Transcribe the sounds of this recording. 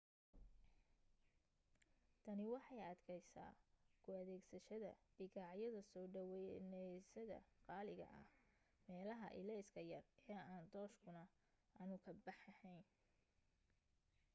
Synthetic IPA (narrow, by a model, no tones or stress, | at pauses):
t̪ʰɐnɪwɑħɑjɐd̪kʰɛjsa̰ːkʰʊɐðɛːɡsɐʃɐðɐ̰ɖ̥ɪɣɑʕjɐðɐsɔːɖɐwɛnɛjsɐðɐ̰qɑːlɪɣɐ̰ʔɐ̰h | mɛːlɐɦɐ̰ʔɪ̰lɛjskʰɐjɐrɛːaːnd̪ɔːʃkʰʊnɐ | ɐnʊkʰɐbɑħɐhɛjn